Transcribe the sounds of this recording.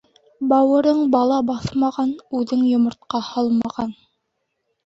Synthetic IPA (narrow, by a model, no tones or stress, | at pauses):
bɑwɤ̆ɾɤɴbɑlˠɑbɑθmɑʁɑnʉðɘŋjŏmŏɾt̪qɑhɑlˠmɑʁɑn